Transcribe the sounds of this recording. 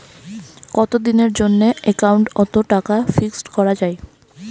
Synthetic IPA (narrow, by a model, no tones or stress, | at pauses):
kɔt̪od̪ineɾd͡ʑonːeekawɳʈɔt̪oʈakafiksʈkɔɾad͡ʑae